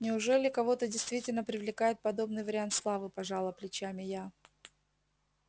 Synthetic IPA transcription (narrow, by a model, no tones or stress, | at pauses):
nʲɪʊʐɛlʲɪkɐvo̞t̪ədʲɪjst̪vʲitʲɪlʲnəpɾʲɪvlʲɪkajɪt̪̚pɐd̪o̞bnɨjvəɾʲɪant̪slˠavɨpɐʐalˠəplʲɪt͡ɕamʲɪja